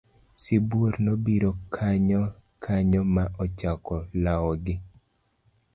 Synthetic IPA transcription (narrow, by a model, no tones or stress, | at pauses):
sibuoɾnobiɾokʰaɲɔ | kʰaɲɔmaʔɔt͡ʃakɔlawɔɡɪ